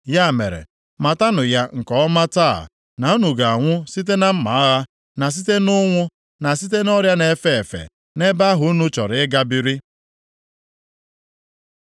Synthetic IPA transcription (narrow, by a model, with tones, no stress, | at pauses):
ja˦˨mḛ˨ɾḛ˨ | ma˨ta˦nʊ˨ja˦ŋ̩˨kɔ˨ɔ˦ma˦ta̰˦˨ | na˨u˦nu˨ɡa˨a˨ŋʷʊ˦si˦t̬e˦na˦m̩˦ma˨˦a˦ɣa˦ | na˨s̬i˦te˦nʊ˦ŋʷʊ˦ | na˨si˦te˦nɔ˦ɾja˦ne˨˦fe˦˨fḛ˨ | ne˦ba˦ɦʊ˨˦nu˦t͡ʃɔ̰˨ɾɪ˨ɪ˦ɡa˦bi˨ɾi˦